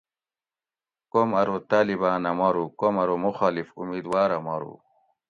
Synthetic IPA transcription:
komɐɾot̪aːlibaːnɐmɐɾukomɐɾumuxaːlifṵmiːd̪waːɾɐmɐɾṵ

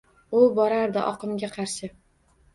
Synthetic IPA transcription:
ʊbɒɾaɾd̪ɪʔɒqɨmɡʲaqʰɑɾʃɪ

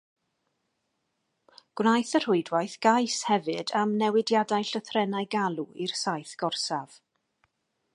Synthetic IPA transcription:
ɡ̥wnajθər̥ʊɨdwajθɡ̥ajshɛvɨdamnɛwɪdjadajɬəθrɛnajɡalˠuirsajθɡ̥ɔrsav̥

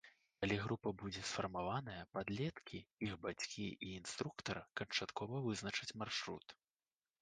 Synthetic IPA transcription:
kalʲiɣɾupɐbud͡zʲɛsfɐrmavanɐjɐpad̪lʲɛt̪kʲiixbat͡sʲkʲiʔiːnst̪ɾukt̪ɐrkɐnt͡ʂat̪kʰɔvɐvɨznɐt͡ʂɐt͡sʲmarʂɾṵt̪

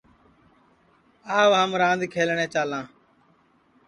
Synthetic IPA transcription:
aːʋɦəmɾãːnd̪kʰeːlɳẽːt͡ʃaːlãː

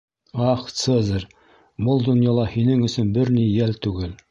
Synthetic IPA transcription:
ɑχt̪sɤzɤɾ | bɤlˠd̪ŏnjɑlˠɑhinɘŋɵ̆sɵnbɘɾnijælt̪ʉɡɘl

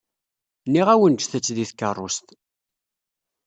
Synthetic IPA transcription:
nːiʁæwənt͡ʃːθət͡sːðiθkːərˤːo̰st̪

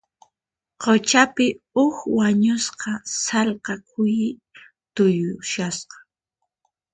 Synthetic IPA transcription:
qot͡ʃapɪ | ʊxwaɲʊsqɑsɑlqɑkʰʊjɪ | t̪ʊjʊʃasqɑ̥

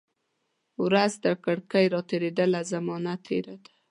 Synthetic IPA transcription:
wɾazd̪əkaɽkəjɾɑt̪eɾed̪əlazamɑnat̪ʰːḛɾad̪ḁ

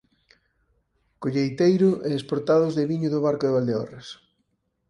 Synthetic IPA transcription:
koʎejt̪ejɾʊʔɛːspoɾt̪aðʊzðɪβiɲʊðʊβaɾkʊðɪβald̪eɔ̰res

